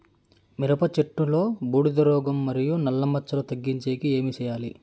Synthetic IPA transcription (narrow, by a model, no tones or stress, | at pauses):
miɾɐpɐt͡ʃeʈːulo̞ːbuːɽid̪ɐɾɔːɡɐmːɐɾijunɐlːɐmɐt͡ʃːɐlot̪ɐɡːiɲt͡ʃeːkie̞ːmit͡ʃɛːjaːlḭ